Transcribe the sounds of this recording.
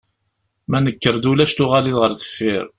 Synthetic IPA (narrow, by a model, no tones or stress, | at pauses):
mænəkːəɾd̪ulæʃt̪ʊʁaliðʁəɾθə̥fːiɾ